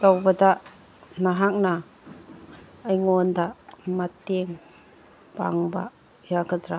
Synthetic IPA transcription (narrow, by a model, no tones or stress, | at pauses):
tawbɐda | naɦak̚na | jŋondamateŋ | pa̰ŋba̰ | jaɡadɾa